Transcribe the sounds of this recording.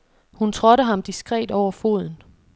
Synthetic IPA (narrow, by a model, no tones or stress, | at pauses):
hunt͡sʰʁɒ̽ɾəɦɑ̈md̥isɡ̥ʁɛ̰ːd̥ɒʊ̰ɐfo̝ð̞ˠn̩